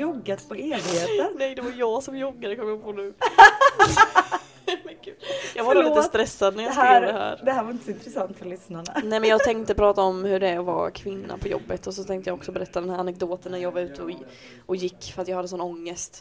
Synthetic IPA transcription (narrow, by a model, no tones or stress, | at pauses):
jɔɡːat̪pʰɔeːvɪheːənɛjd̪ɛvaɾjɑːɡsɔmjɔɡːaɾəkʰɔmjəpʰonʉ̟ː | mɛkʉːljɑːɡvaɾlit̪əsst̪ɾɛsːad̪næɾjasuːɡd̪ɛɦæ̰ːɾd̪ɛhæːɾvaɾɪnt̪ə̥sɔɪnt̪ɾɛsant̪fœlʏsnaɳanɛmɛnjɑːɡt̪ʰɛŋt̪əpʰɾɑːt̪aɔmhɵɖɛæɾɔva̰kʰvɪnːa̰pʰɔjɔ̰bːət̪ɔsɔt̪ʰɛŋkt̪əjaɔksɔbɛɾɛt̪ːad̪ɛnhæːɾanɛk̚d̪oːt̪ənnæɾjɑːɡvaɾʉ̟ːt̪ʰəɔ | ɔjɪkːfœɾat̪jɑːhad̪əsɔnːɔŋːəst̪